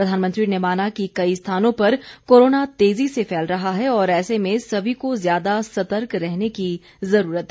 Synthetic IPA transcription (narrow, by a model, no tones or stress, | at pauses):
pɾɐd̪ʱaːnmə̃nt̪ɾinemaːnakikɐist̪ʰaːnõpɐɾkoːɾoːnat̪eːzisefɛːlɾɐɦaɦɛɔːɾɛːsemẽsɐbʱikozjaːd̪asɐt̪əɾkɾɛɦneki | zɐɾuːɾət̪ɦɛ